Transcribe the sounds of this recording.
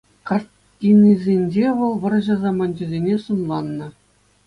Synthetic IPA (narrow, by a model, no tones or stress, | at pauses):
kɑr | tʲinʲizʲenʲd͡ʑeʋɤ̆lˠʋɤ̆r̆ʑɤ̆zɑmɑnʲd͡ʑĕzʲenʲesunlˠɑnːɤ̆